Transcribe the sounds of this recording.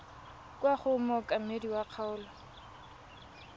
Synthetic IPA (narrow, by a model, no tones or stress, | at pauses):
kʼwaχʊmɔkʼamediwaq͡χʰaʊːlɔ